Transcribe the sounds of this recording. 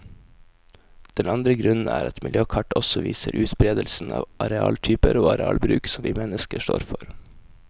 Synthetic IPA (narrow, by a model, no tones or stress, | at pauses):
d̪̥ɛnɑnd̪ɾəɡɾʉnn̩æːɾɑt̪mɪljøːkʰɑʈɔsɔʋiːsəɾʔʉːt̪bɾeːd̪əlsn̩ɑːʋʔɑɾɛɑːlt̪ʰyːpəɾoːɑɾɛɑːlbɾʉːksɔmʋiːmɛnəskəʂto̰ːɾfɔɾ